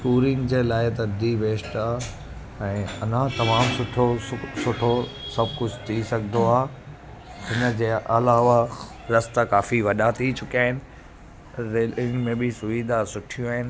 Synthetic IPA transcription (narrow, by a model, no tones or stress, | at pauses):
kuːɾɪ̃ŋɡd͡ʑeːlaːɪt̪̬ɐd̪iʋeːʃʈaː | ɛ̃ːɐn̤ãt̪ɐmaːmsʊʈʰosʊʈʰosɐbʱkʊd͡ʑʱt̪ʰisɐɡʱɪd̪oaːɦ | ɦɪnə̆d͡ʑeːʔɐlaːʋa | ɾɐst̪akaːfiʋɐɗaːt̪ʰit͡ɕʰʊkiaːɦɪnɪ̆ | ɾeːlɪ̃ŋɡmẽbʱisʊʋiːd̪ʱasʊʈʰijũaːɦɪnɪ̆